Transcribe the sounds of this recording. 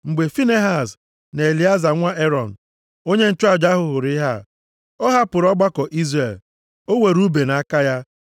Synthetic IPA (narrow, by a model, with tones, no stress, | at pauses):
ŋ͡m̩˨ɡ͡be˨fi˦ne˦ɦa˨s | n˨e˨li˨˦a˦za˨ŋʷa˦ʔe˦ɾɔ˨n̩˨ | o˦ɲe˦n̩˦t͡ʃʊ˦a˦˨d͡ʒa˦ɦʊ˨ɦʊ˨ɾɪ˦ɦa˦ | o˦ɦa˦pʊ˨ɾɔ˦ɡ͡ba˦kɔ˨ʔi˦zre˨l | o˦we˨ɾu˦be˨na˨a˦ka˦ja˦